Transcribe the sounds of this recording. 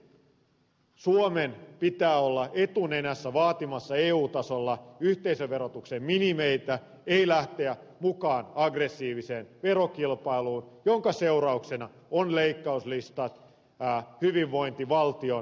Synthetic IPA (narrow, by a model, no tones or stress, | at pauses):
suomenpit̪æːolːɑe̞t̪une̞næsːæʋɑːt̪imɑsːɑeːuːt̪ɑsolːɑyht̪eisøʋʋe̞ɾot̪uksemminimeit̪æ | eilæht̪eæ | mukɑːnɑɡresːiːʋiseːnʋeɾokilpɑiluːnjoŋkɑse̞uɾɑuksenɑ | onleikːɑuslist̪ɑt̪ː | hyʋiʋːo̞jnt̪iʋɑlt̪io̞